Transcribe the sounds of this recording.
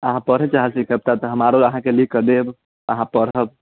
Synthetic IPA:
əɦãpəɾɦət͡ʃaɦəsikəb̚t̪at̪əɦəmaɾoəɦãkelikːəd̪eb | əɦãpəɽ̤əb̚

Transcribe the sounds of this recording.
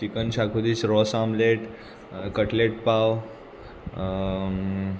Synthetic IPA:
t͡ʃikənɕakʰud̪iːt͡sɾɔsamleʈ | kəʈleʈ̚paw

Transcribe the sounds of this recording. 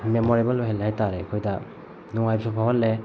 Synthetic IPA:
memoɾebaloɦelɦajtaɾekʰojdɐ | nɔŋajsʰupʰawalːe

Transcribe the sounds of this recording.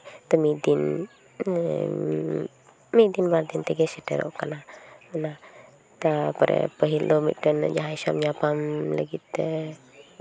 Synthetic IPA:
t̪əmid̪in | mid̪inbaɾd̪int̪əɡɛsəʈə̰ɾo̰ʔkanana | t̪apəɾə̰pəɦild̪omḭʈənd͡ʒaɦajsamɲapamlə̰ɡit̪ə

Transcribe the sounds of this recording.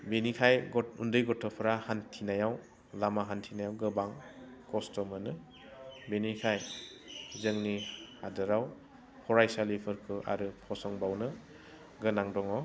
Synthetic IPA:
benikʰajɡɔundɯjɡɔtʰɔpʰɾahantʰinajaw | lamaɦantʰinajawɡɯbaŋkɔstɔmɯnɯ | benikʰaj | zɯŋnihadɯɾaw | hʰɔɾajsalipʰɯɾkʰɯʔa̰ɾɯpʰɔsɔŋbawnɯ | ɡɯnaŋdɔŋɔ

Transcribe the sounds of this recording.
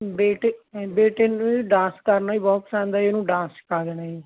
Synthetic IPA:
beːʈebeːʈeːnũiɖãːskəɾnaːiːbɔːt̪sɛ̃ːnd̪aːeːnũːɖãːskaːd̪ɛnaːiː

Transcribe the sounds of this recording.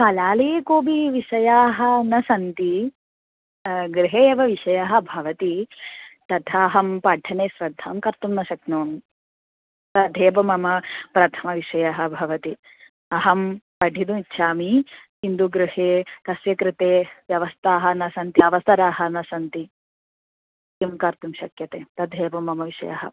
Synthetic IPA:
kɐlaːleːkoːbiʋiʃɐjaːɦɐ̆nɐsɐnt̪i | ɡɾɪɦeːɐʋɐʋiʂɐjaɦɐ̆bʱɐʋɐt̪i | t̪ɐt̪ʰaːɦɐmpɐɖʱɐneːsɾɐd̪ʱːaːmkɐɾt̪umnɐʃɐknoːm | t̪ɐd̪ʱeːbɐmɐmɐpɾɐt̪ʰɐmɐʋiʃɐjaɦɐ̆bʱɐʋɐt̪i | ɐɦɐmpɐɖʱid̪umitːʃʰaːmihind̪uɡɾɪheːkɐsjɐkɾɪt̪eːʋjɐʋɐst̪ʰaːɦɐnɐsɐnt̪iɐʋɐst̪ɐɾaːɦɐnɐsɐnt̪i | imkɐɾt̪umʃɐkjɐt̪eːt̪ɐd̪ʱeːbɐmɐmɐʋiʃɐ̰ja̰ɦɐ̰

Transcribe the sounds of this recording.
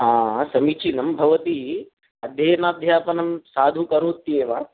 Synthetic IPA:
ɦãːsɐmit͡ʃʰinɐmbʱɐʋɐt̪i | ɐd̪ʱjɐːjɐnaːd̪ʱjaːpɐnɐmsaːd̪ʱukɐɾoːt̪ːieːʋaː

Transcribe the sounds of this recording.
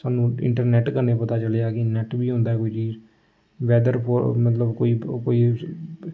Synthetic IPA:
saːnũːɪ̰̃ɳʈəɾnɛːʈkəɾnepət̪aːt͡ʃəleaːkɪnɛʈbiːɦõːnd̪aːɦɛːkoːiːt͡ʃiːz | ʋɛːd̪əɾpomət̪̬ləbkoːiːkoːiː

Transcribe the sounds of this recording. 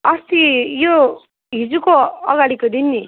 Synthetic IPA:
ʌst̪ijo | ɦid͡zukoʌɡaɽikod̪inːi

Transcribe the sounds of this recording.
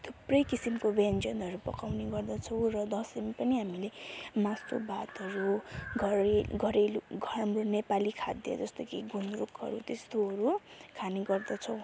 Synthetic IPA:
t̪ʰuprʌjkisimkobend͡zʌnɦʌɾupʌ̰kawneɡʌrd̪ʌt͡sʰʌw̃rʌd̪ʌsimpʌniɦamilemastʰo̰bʱat̪ɦʌɾuɡʱʌɾeɡʱʌɾeluɡʱʌamronepalikʰa̰d̪iḛd͡zʌst̪okiɡʱunɾukɦʌ̰ɾut̪est̪oɦʌɾukʰaneɡʌrd̪ʌt͡sʰʌw̃

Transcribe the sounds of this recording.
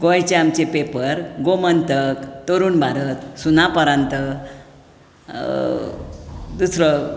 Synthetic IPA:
ɡojt͡ɕeamt͡ɕepepəɾɡomənt̪əkt̪oɾuːnbʱaɾət̪sunapəɾãnt̪ə | d̪usɾɔ

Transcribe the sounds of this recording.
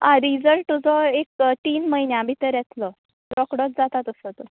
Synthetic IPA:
aɾid͡zəlʈt̪ud͡zɔek̚t̪iːnməɦinjamit̪əɾjɛt̪ʰlɔ | ɾɔkɽɔt͡s̚d͡zat̪at̪əsət̪u

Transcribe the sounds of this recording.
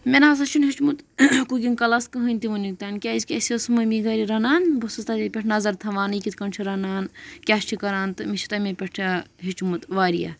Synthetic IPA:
mʲenaːs̬ɐt͡ʃʰunɦit͡ʃmut̪kuɡʲinkɐlɐskɨɦɨnʲt̪iʋunikt̪aːnkʲaːzkʲɐsiosmɐmiɡɐɾiɾɐnaːnbosɐst̪ɐt̪ipʲeʈʰnɐzɐɾt̪ʰɐʋaːnɨkit̪ʰkɐɳt͡ʃʰiɾɐnaːnkʲaːʃt͡ʃʰikɐɾaːnt̪ɨmit͡ʃʰi̥t̪ɐmepʲeʈʰaɦit͡ʃmut̪ʋaːɾḭja̰

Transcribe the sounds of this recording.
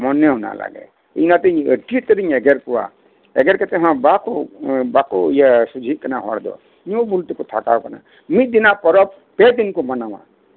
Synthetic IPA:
mɔnːeɦuna̰la̰ɡḛ | ḭnat̪ieʈit̪əɾiŋeɡeɾkuwa̰ | ḛɡeɾket̪eɦãbakobakojasud͡zʱikanaɦɔ̰ɽd̪o̰ | nobult̪ikot̪ʰakawkana̰ | mid̪inapɔɾʌb | ped̪inkomʌnaw̃ã̰

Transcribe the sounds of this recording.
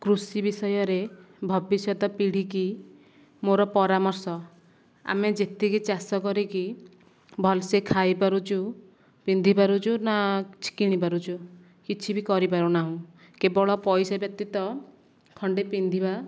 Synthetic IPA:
kɾusibisɔjɔɾe | bʱɔbisjɔt̪ɔpiɽ̤iki | moɾɔpɔɾamɔɾsɔ | a̰med͡ʒet̪ʰikit͡ʃasɔkɔɾiki | bʱɔlsekʰajpaɾut͡ʃʰu | pind̪ʱipaɾut͡ʃʰunat͡ʃʰi̥kiɽ̃ipaɾut͡ʃʰu | kit͡ʃʰibikɔɾipaɾunaɦũ | kebɔɭɔpɔjsabjɔk̚t̪it̪ɔ | kʰɔɳɖepind̪ʱiba

